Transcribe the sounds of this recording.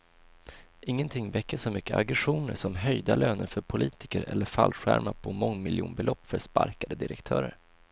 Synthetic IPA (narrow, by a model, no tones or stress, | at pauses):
ʔɪŋːənt̪ʰɪŋːvɛkːəʂɔmʏkːəʔaɡɾɛɧuːnəʂɔmɦœjd̪aløːnənfœɾpʰʊliːt̪ɪkəɾɛlːəɾfalɧæ̰ɾmaɾpʰɔmɔŋːmɪljṵːnbɛlɔpːfœspaɾkad̪əd̪ɪɾɛkt̪ʰœːɾəɾ